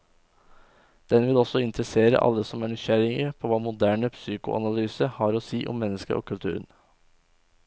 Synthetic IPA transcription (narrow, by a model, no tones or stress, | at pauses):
d̪̥ɛnʋɪlɔsɔɪnt̪ɾəseːɾə̰ʔɑ̰lːəsɔmæɳʏʃæɾɪŋəɾpʰoːʋɑːmʊd̪æːɳəpsyːkʊ̰ʔɑ̰nɑlyːsəhɑɾoːsiːʔɔ̰mːɛnːəskə̰ʔo̰ːkʰʉlt̪ʰʉ̰ːɾən